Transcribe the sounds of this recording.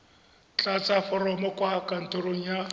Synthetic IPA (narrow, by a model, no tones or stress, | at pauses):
t͡ɬʼat͡sʼafɔɾɔmɔkʼwakʼan̩tʼoɾoŋ̩ja